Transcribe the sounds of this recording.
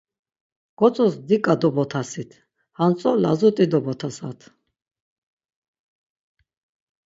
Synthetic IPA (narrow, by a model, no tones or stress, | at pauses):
ɡ̥ɔt͡sʼɔsd̪ikʼad̪ɔbɔt̪ʰasit̪ʰ | hant͡s̪ʼɔla̰zut̪ʼid̪ɔbɔt̪ʰasa̰t̪ʰ